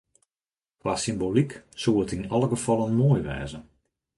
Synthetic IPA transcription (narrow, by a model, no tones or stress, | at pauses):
kʋaːsimboliksuːətinɔlˠəɡəfɔlˠənmoːjʋɛ̰ːzə